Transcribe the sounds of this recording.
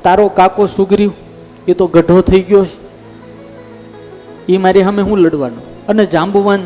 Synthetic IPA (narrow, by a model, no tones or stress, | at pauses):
t̪aɾokakosʊɡɾio | et̪oɡəɖʱot̪ʰəiɡjot͡ʃʰ | emaɾeɦəmeɦũləɽʋanõ | əned͡ʒãmbuʋan